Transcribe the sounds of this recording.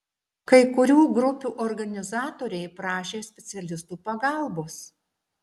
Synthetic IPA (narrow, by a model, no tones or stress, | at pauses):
kɐɪkʊɾʲuːɡɾʊpʲuːʔɔɾɡɐnʲɪzɑːt̪oːɾʲɛɪpɾɑːʃʲeːsʲpʲɛt̪sʲɛlʲɪst̪uːpɐɡɑˑlˠboːs